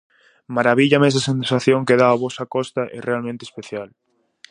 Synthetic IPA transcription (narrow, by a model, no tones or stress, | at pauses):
maɾaβiʎamɛs̬asensaθjoŋkeðaːβɔsakɔst̪ɐʔɛ̰realmẽnt̪espeθjal